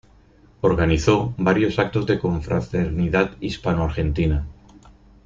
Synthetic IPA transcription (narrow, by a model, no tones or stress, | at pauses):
o̞ɾɣaniθo̞baɾjo̞sak̚t̪o̞zðe̞ko̞ɱfɾa̰t̪eɾniðat̪ispanoaɾxe̞nt̪ina